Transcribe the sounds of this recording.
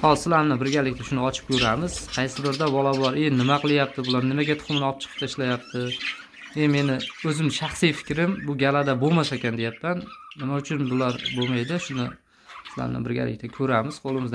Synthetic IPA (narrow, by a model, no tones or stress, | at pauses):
hɒlˠsɪlaɾmnɪbɪɾɡʲalɪkʲt̪ʰaʃʊnɪɒt͡ʃʰɪ̥p̚kʲʰɵɾamɪz̥qʰɑjsɪbɪɾd̪abɒlˠabɒɾenɪmaqʰɨlˠajap̚t̪ʰɪbʊlˠaɾnɪmaɡʲat̪ʰʊ̥χʊmnɪɒp̚t͡ʃʰɨ̥qʰə̥t̪ʰaɪʃlajap̚t̪ʰɪ | eme̞nɪɵzɪmʃɑχsijfɪ̥kʲɾɪmbʊɡʲalad̪abomasakʲʰand̪ejapːanːɪmaʊt͡ʃʰʊnbʊlaɾbomajd̪ɪʃʊnɪ | sɪla̰ɾnɪ̰bɪɾɡʲa̰lɪ̰kʲt̪ʰakʲʰɵɾamɪz̥qʰolˠɪmɪzd̪